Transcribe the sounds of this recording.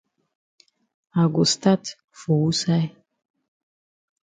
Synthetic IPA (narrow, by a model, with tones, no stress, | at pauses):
a˨ɡu˨st̪a˦t | fo˨wu˦sa˦j